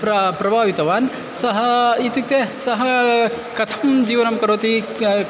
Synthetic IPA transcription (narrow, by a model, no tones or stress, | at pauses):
pɾɐpɾɐbʱaːʋit̪ɐʋaːn | sɐɦɐit̪juk̚t̪esɐɦɐ | kɐt̪ʰɐmd͡ʒiːʋɐnɐmkɐɾoːt̪i